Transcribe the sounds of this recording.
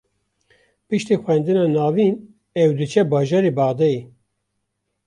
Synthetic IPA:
pɨʃt̪ixʷɛnd̪ɨnɑːnɑːviːn | ɛwd̪ɨt͡ʃʰɛbɑːʒɑːɾebɑːʁd̪ɛi

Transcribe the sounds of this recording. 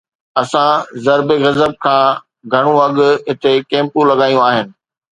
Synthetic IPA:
ɐsãzɐɾbeɣɐzəb̚kʰãː | ɡʱɐɽ̃ũɐɠʊ̆ɦɪt̪ʰekẽːmpũlɐɠaːjũaːɦɪnɪ̆

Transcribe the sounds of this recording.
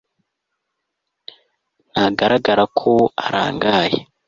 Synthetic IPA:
naɡaɾaɡaɾakʰoaɾa̰ːŋɡaːje

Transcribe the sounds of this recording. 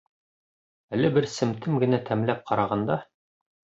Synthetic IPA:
ælɘbɘɾsɘ̆mt̪ʰɘmɡɘ̆næt̪ʰæmlæp̚qɑɾɑʁɑnd̪ɑ

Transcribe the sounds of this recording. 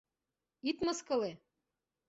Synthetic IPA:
it̪mɤ̆skɤ̆le

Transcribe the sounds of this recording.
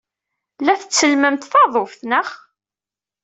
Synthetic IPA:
læθət͡sːəlməmt̪θɑðˤofθnəχ

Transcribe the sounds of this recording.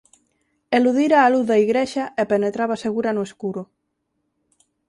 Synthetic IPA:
eluðiɾaːluθðaiɣɾeʃaepenet̪ɾaβaseɣ̞uɾanoeskuɾo

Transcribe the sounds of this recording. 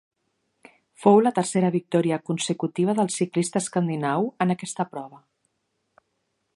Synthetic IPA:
fowlət̪ərseɾəβik̚t̪ɔɾiəkunsəkut̪iβ̞əðəlˠsiklist̪əːskənd̪inawənəkɛst̪əpɾɔβə

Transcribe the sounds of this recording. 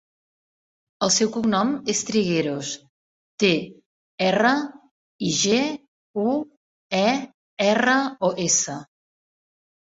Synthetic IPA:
əlˠsɛwkuknɔmest̪ɾiɣeɾos | t̪e | ɛrə | iʒe | u | ɛ | ɛrəɔʔesə

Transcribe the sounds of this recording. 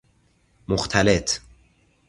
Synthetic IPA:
moxt̪ʰalet̪ʰ

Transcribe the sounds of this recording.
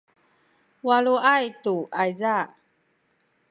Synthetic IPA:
waluʔajtuʔajza

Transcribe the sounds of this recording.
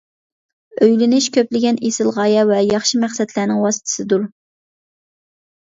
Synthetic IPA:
øjlɪnɪʃkʲøplɪɡʲɛnesɪlˠʁɑːjɑvɛjɑχʃimæχsɛd̪læːnɪŋwɑsɨ̥t̪ʰɨ̥sɨd̪uɾ

